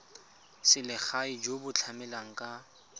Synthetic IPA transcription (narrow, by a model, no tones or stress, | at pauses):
sɪlɪχaid͡ʒobʊt͡ɬʰamɛlaŋ̩kʼa